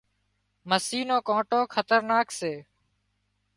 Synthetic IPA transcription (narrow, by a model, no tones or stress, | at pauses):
məsiːnoːkõːʈoːkʰət̪əɾnaːkseː